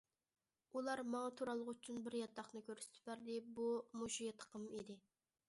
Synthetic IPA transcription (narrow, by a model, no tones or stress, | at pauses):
ulˠɑɾmɑŋɑt̪ʰuɾɑlˠəʁyt͡ʃʰynbɪɾjɑt̪ʰːɑχnɨkʲøɾsɪ̥t̪ʰɪ̥bæɾd̪ɪbumuʃijt̪ʰə̥qʰəmid̪ɪ